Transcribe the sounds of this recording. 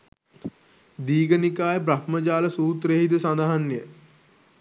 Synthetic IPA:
d̪iːɡənikaːjəp̬ɾahməd͡ʒaːləsuːt̪ɾeɦid̪usand̪aɦanːjə

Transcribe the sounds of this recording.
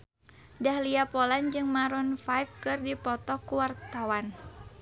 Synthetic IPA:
dahliapɔland͡ʒɨŋmaɾɔnfajfkɨrdipɔt̪ɔkuwart̪awan

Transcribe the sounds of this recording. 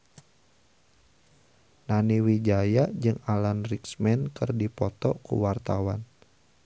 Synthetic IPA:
naniwid͡ʒajaʔd͡ʒɨŋalanriksmɛnkɨrdipɔt̪ɔkṵwart̪awan

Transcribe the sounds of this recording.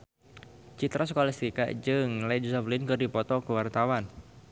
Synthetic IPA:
t͡ʃit̪ɾas̬əkolast̪ika̰ʔd͡ʒɨŋlaid͡ʒusaflɪnkɨrdipɔt̪ɔkəwart̪awan

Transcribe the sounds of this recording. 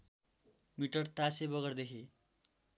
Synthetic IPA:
miʈʌrt̪asebʌɡʌrd̪ekʰe

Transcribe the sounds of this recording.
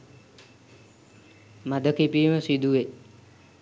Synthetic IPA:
mad̪əkipiːməsid̪uʋe

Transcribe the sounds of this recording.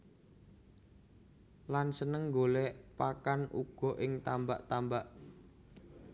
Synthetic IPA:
lansənəŋɡolɛʔpakanʔṵɡ̥ɔ̤ʔɪŋt̪ambaʔt̪ambaʔ

